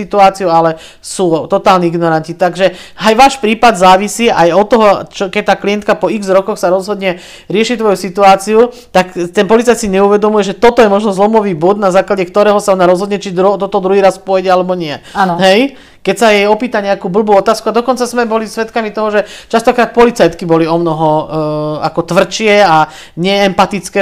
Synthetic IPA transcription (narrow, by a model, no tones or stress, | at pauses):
it̪uaːt͡siualɛ | suːt̪ɔt̪aːlniiɡnɔɾancit̪aɡʒɛ | ajʋaːʃpɾiːpad̪zaːʋisiːajɔt̪ːɔɦɔt͡ʃɔkɛc̚t̪aːklijɛnt̪̚kapɔiɡzɾɔkɔxsaɾɔzɦɔd̪ɲɛ | ɾɪɛʃit̪ʋɔjusit̪uaːt͡siu | t̪akt̪ɛnpɔlitt͡saj̪siɲɛuʋɛd̪ɔmujɛʒɛt̪ɔt̪ɔjɛmɔʒnɔzlɔmɔʋiːbud̪nazaːklaɟɛkt̪ɔɾɛːɦɔsaɔnaɾɔzɦɔd̪ɲɛt͡ʃid̪ɾut̪ɔt̪ɔd̪ɾuɦiːɾasfpɔjɟɛalɛbɔɲɪɛaɦɛj | kɛcsajɛjɔpiːt̪aɲɛakuːbl̩buːɔt̪aːskuad̪ɔkɔnt͡sazmɛbɔlisʋɛt̪kamit̪ɔɦɔʒɛt͡ʃast̪ɔkɾaːt̪̚pɔlit͡sajt̪kibɔliɔmnɔɦɔ | a̰kɔt̪ʋr̩t͡ʃɪɛa | ɲɛːmpat̪it͡skɛ